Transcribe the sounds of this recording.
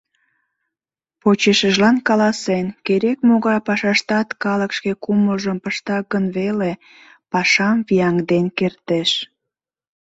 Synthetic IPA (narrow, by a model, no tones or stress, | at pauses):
pot͡ɕeʃəʒlɑnkɑlɑsenkeɾekmoɣɑjpɑʃɑʃt̪ɑt̪kɑləkʃkekuməlʒəmpəʃt̪ɑɡənβele | pɑʃɑmvijɑŋd̪enkert̪eʃ